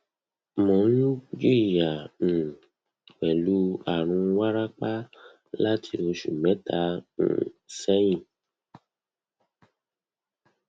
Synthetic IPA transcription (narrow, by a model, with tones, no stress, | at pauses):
mɔ̃˨˦u˦d͡ʒi˦˨ɾi˨jã˨ | wɛ˨lu˨˦a˨ɾ̃ũ˧wa˦ɾa˦k͡pa˦ | la˦tʰi˧˦o˧ʃṵ˨mɛ̃˨˦tã̰˧˦˨ | sɛ˦j̃ĩ˦˨